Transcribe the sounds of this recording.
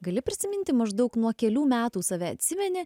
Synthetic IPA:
ɡɐlʲɪpʲɾʲɪsʲɪmʲɪnʲt̪ʲɪmɐʒd̪ɒʊknuɔkʲɛlʲuːmʲæːt̪uːsɐʋʲɛɐ̰t̪ʲsʲɪmʲɛnʲɛ

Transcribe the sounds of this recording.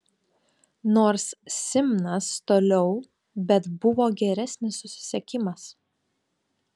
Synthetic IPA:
noːɾsːʲɪmʲnɐst̪oːlʲɛʊ | bʲɛt̪bʊʋoːɡʲɛɾʲɛsʲnʲɪsːʊsʲɪ̥sʲɛkʲɪmɐs

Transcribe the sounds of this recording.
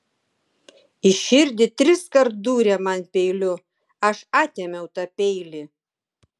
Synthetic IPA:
ɪʃʲɪɾʲd̪ʲɪt̪ʲɾʲɪskɐɾt̪̚d̪uːɾʲɛmɐnpʲɛɪlʲʊ | ɐʃɑːt̪ʲɛmʲɛʊt̪ɑpʲɛɪlʲɪ

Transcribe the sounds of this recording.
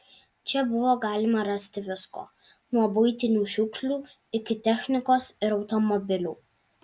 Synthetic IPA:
t͡ʃʲɛbʊʋoːɡɑːlʲɪmɐɾɑsʲt̪ʲɪʋʲɪsko̰ː | nuɔbʊɪt̪ʲɪnʲuːʃʲʊkʃʲlʲuː | ɪkʲɪt̪ʲɛxʲnʲɪkoːsɪɾɒʊt̪ɔmɔbʲɪlʲuː

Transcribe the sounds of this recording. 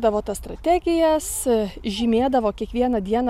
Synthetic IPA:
d̪ɐʋoːt̪ɐsst̪ɾɐt̪ʲæɡʲɪjɛsʒʲimʲeːd̪ɐʋoːkʲiɛkʋʲiɛnɐd̪ʲiɛn

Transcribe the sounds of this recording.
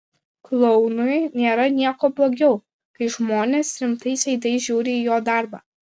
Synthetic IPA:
klˠɔʊnʊjnʲeːɾɐnʲiɛkoːblˠoːɡʲɛʊ | kɐɪʒmoːnʲeːsɾʲɪmt̪ɐɪsʲɐɪd̪ɐɪʒʲuːɾʲɪiːjoːd̪ɑˑɾbɑ̰ː

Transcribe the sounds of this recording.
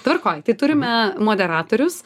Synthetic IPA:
t̪ʋɐrkoːjt̪ɐɪt̪ʊɾʲɪmʲɛmoːd̪ʲɛɾɑːt̪oːɾʲʊs

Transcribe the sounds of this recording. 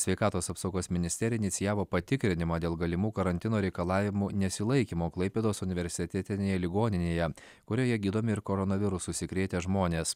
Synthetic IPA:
sʲʋʲɛɪkɑːt̪oːsɑːpsɐʊɡoːsmʲɪnʲɪsʲt̪ʲɛɾʲɪnɪt̪sʲɪjæːʋoːpɐt̪ʲɪkɾʲɪnʲɪmɑːd̪ʲeːlˠɡɐlʲɪmuːkɐɾɐnʲt̪ʲɪnoːɾʲɛɪkɐlˠɑːʋʲɪmunʲɛsʲɪlˠɐɪkʲimoːklˠɐɪpʲeːd̪oːsʊnʲɪʋʲɛɾʲsʲɪt̪ʲɛt̪ʲɪnʲeːjɛlʲɪɡoːnʲɪnʲeːjɛ | kʊɾʲoːjɛɡʲiːd̪oːmʲɪɪɾkoːɾɔnɐʋʲɪɾʊsʊsʲɪkɾʲeːt̪ʲeʒmoːnʲeːs

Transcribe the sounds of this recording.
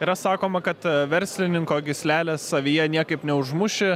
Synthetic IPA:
iːɾɐsɑːkoːmɐkɐt̪ʋʲɛɾʲsʲlʲɪnʲɪŋkoːɡʲɪsʲlʲæːlʲesːɐʋʲiːjɛnʲiɛkɐɪpnʲɛʊʒmʊʃʲɪ

